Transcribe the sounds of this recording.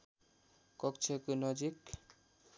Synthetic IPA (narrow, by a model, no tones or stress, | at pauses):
kʌk̚t͡ʃʰekonʌd͡zik